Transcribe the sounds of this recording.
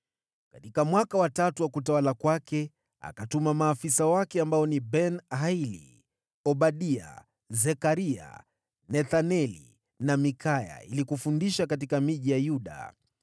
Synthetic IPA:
katikamwakawatatuwakutawalakwakɛ | a̰katumamaːfisawakɛambaɔnibɛnhailḭ | ɔɓaɗia̰ | zɛkaɾia̰ | nɛθanɛlḭ | namikʰaja̰ḭlikufundiʃakat̬ikamiʄijajuɗa̰

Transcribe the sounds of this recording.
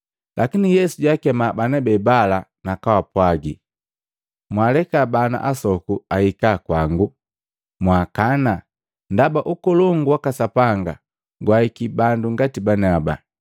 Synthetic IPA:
lʔakinijɛsuɟakɛmabanɛbɛbalanakawapwaɡi | mwalɛkabana̰ʔasɔkuahikakwaŋɡu | mwakana | ndabaʔukɔlɔŋɡuwakasapaŋɡa̰ | ɡwaikibanduŋɡatibanaba

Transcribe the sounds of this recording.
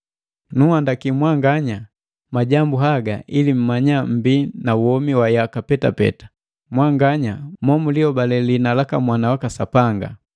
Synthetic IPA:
nuhandakimwaŋɡaɲa | maɟambuɦaɡaʔilim̩maɲam̩binawɔmiwajakapɛta̰pɛ̰tḁ | mwaŋɡaɲamɔmuliɔbalɛlinalakamwanawakasapaŋɡa̰

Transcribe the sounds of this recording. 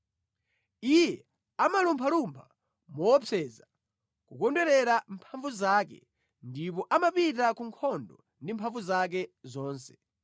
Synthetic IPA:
ijɛ | amalumpʰalumpʰa | mɔwɔpɛːza | kukɔndwɛɾɛɾampʰaɱvuzaːkɛ̰ | ndip̬ɔʔamapitakuŋkʰɔndɔ | ndimpʰaɱvuzak̬ɛzɔːnsɛ̥

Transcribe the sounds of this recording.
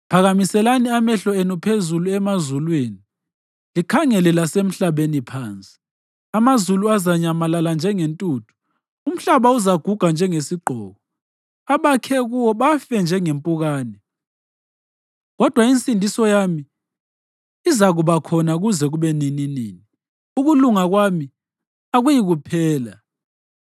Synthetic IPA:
pʰaɣamisɛlaniamɛɬɔenupʰezuluɛmazulweːni | likʰaŋɛlɛlasem̩ɬaβenipʰaːnt͡sʼi̥ | amazuluazaɲamalaland͡ʒʱɛŋentʼuːtʰu̥ | um̩ɬaβauzaɡ̥ʱuɡ̥ʱand͡ʒʱɛŋesiɡ͡ǃʱɔ̰ːɣɔ | aβakʰɛɣuwɔβafɛnd͡ʒʱɛŋempʼuɣaːnɛ | ɣɔd̥ʱwaint͡sʼindʱisɔjami | izaɣuβakʰɔnaɣuzɛɣuβɛnininḭːni | uɣuluŋaɣwami | aɣujiɣupʰɛːla

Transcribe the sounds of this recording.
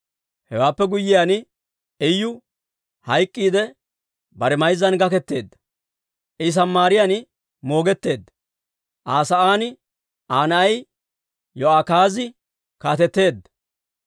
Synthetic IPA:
hɛwaːpːɛɡʊjːɪjaːn | ɛjːʊ | hɐjkʼːiːd̪ɛ | bɐɾɛmɐjzːɐnɡɐkɛt̪ːe̞ːd̪ːɐ̥ | ʔɪs̬ɐmːaːɾɪjan | mo̞ːɡɛt̪ːe̞ːd̪ːɐ | ʔaːsɐaːnɪ | ʔaːnɐɐj | jɔaːkaːzɪ | kaːt̪ɛt̪ːe̞ːd̪ːɐ

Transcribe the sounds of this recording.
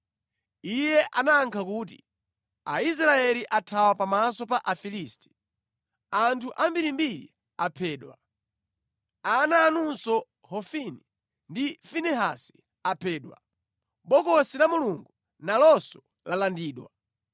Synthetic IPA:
ijɛʔanaːŋkʰakuːt̬ḭ | a̰is̬ɾaɛliʔatʰawapamasɔpaʔafiliːsti̥ | antʰuʔambiɾimbiɾḭ | apʰɛːɗwa̰ | anaːnunsɔ | hɔfini | ndifinɛɦa̰si̥ | apʰɛːɗwa̰ | ɓɔkɔsilamuluŋɡu | nalɔsɔ | lalandiːɗwa

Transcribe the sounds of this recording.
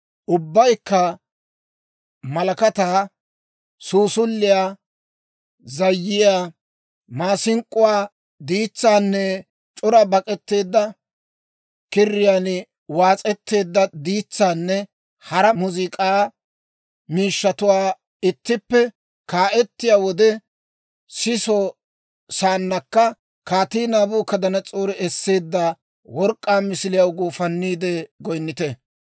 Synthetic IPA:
ʔʊbːɐjkːɐ | mɐlɐkɐt̪aː | suːsʊlːɪjaː | zɐjːɪjaː | maːsɪŋkʼːʊwaː | d̪iːt͡sːaːnːɛ | t͡ʃʼʊɾɐbɐkʼɛt̪ːe̞ːd̪ːɐ | kɪrːɪjaːn | waːt͡sʼɛt̪ːe̞ːd̪ːɐd̪iːt͡sːaːnːɛ | hɐɾɐmʊzɪkʼaː | miːʃːɐt̪ʊwaː | ɪt̪ːɪpːɛ | kaːʔɛt̪ːɪjaːwɔd̪ɛ | sɪsɔ | saːnːɐkːɐ | kaːt̪iːnaːbuːkɐd̪ɐnɐt͡sʼoːɾɪɛsːe̞ːd̪ːɐ | wɔɾkʼːaːmɪsɪlɪjɐwɡuːfɐnːiːd̪ɛɡɔjnːɪt̪ɛ

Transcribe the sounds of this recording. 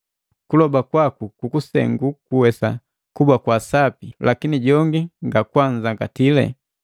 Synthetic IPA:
kulɔbakwakukukusɛ̰ŋɡukuwɛsa̰ | kubakwasapilakiniɟɔŋɡiŋɡakwaɲd͡ʒaŋɡatilɛ̰

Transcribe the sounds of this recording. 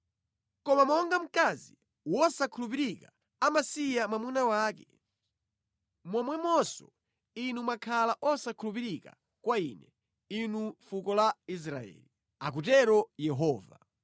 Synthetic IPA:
kɔmamɔŋɡam̩kazi | wɔsakʰulup̬iɾika | amasijamamunawaːkɛ̰ | mɔmwɛmɔsɔ̰ | inumakʰalaʔɔsakʰulup̬iɾika̰ | kwaḭnɛ | inufukɔlais̬ɾa̰ɛ̰ːli | a̰k̬utɛɾɔjɛɦɔːva̰

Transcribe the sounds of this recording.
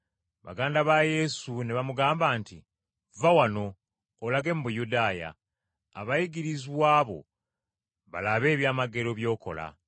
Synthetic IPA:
βa̰ɡaːndaβaje̞suneβamuɡaːmbaːnti | vawano̞ː | laɡe̞muβujudaːja̰ː | βajiɡiɾiziwaːβo̞̰ | βa̰laβe̞ːβjaːmaɡe̞ɾo̞βjo̞ːko̞̰la̰

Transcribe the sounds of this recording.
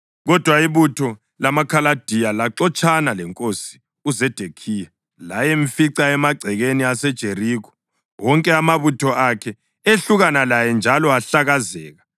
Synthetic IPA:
ɣɔd̥ʱwaiβutʰɔ | lamakʰalad̥ʱijalaǁɔt͡ʃʰʼanalɛŋkʼosi̥ | uzɛd̥ʱekʰiːja | lajeɱfiǀaɛmaɡ͡ǀʱɛɣeniasɛd̥ʒ̥ʱeriːkɔ̥ | wɔŋkʼɛamaβutʰɔʔakʰɛ | eɬuɣanalajɛnd͡ʒʱalɔaɬaɣazɛːɣa

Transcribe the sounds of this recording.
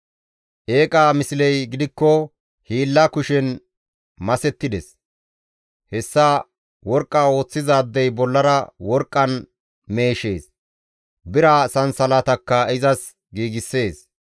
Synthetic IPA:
ʔe̞ːkʼaːmɪsɪlɛjɡɪd̪ɪkːɔ | hiːlːɐkʊʃɛn | mɐsɛt̪ːɪd̪ɛs | hɛsːa | wɔɾkʼːaːo̞ːt͡sːɪzaːd̪ːɛjbɔlːɐɾɐwɔɾkʼːɐn | me̞ːʃe̞ːs | bɪɾasɐnsɐlat̪ɐkːɐɪzɐs | ɡiːɡɪsːe̞ːs

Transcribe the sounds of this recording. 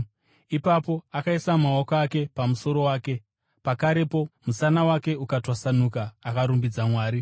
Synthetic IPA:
ipapo̞akaisamaokoake̞pamuso̞ɾo̞waːke̞ | pakaɾe̞po̞musanawake̞ukatwasanukaːkaɾumbid͡zamwaːɾi

